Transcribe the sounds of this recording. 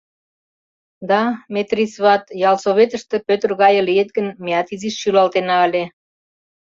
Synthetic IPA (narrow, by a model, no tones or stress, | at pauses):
d̪ɑmet̪risβɑt̪jɑlsoβet̪ə̆ʃt̪ĕpøt̪ərɣɑjə̆lijet̪̚ɡənmeɑt̪iziʃːylɑlt̪enɑːlʲe